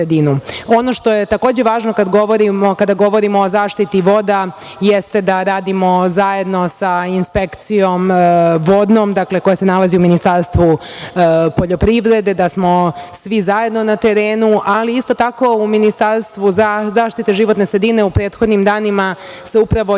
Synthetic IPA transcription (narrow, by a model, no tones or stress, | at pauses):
ed̪inuo̞no̞ʃt̪o̞jet̪ako̞ːd͡ʑeʋaːʒnokad̪ɡoʋoɾimokad̪aɡo̞ʋo̞ɾimoːzaːʃt̪it̪iʋo̞d̪a | jest̪e̞d̪aɾaːd̪imo̞zaje̞d̪no̞sainspe̞kt̪sijo̞mʋo̞d̪nomd̪akle̞ko̞jase̞nalaziuminist̪aɾst̪ʋu | poʎo̞pɾiʋɾe̞d̪e̞d̪asmo̞sʋizaje̞d̪no̞nat̪e̞ɾe̞ːnuʔaliist̪o̞t̪ako̞uminist̪aɾst̪ʋuzzaːʃt̪it̪eʒiʋot̪nesɾed̪ine̞upɾeːt̪xo̞d̪nimd̪aːnima | se̞upɾaʋo̞